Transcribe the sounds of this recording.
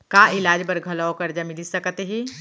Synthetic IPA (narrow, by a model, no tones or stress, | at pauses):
kaːɪlaːd͡ʒbɐɾɡʱɐlaokɐɾd͡ʒamɪlisɐkt̪ɦiː